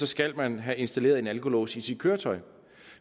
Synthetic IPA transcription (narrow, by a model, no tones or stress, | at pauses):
ɒ̽sɡ̥æl̰mænɦæʔe̝nsd̥æle̝̰ːɐðˠe̝nælkʰo̝lo̰ːsisid̥̚kʰøːɐt͡sʰɒ̽ɪ